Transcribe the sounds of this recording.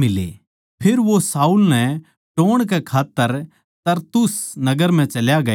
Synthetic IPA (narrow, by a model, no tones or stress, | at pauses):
mɪlḛ | pʰɪɾʋosaːuːlnɛ̃ | ʈoːɽ̃kɛkʰaːt̪ːəɾ | t̪ɐɾt̪ʊsnɐɡəɾm̤ɛ̃t͡ʃɐljaɡɐ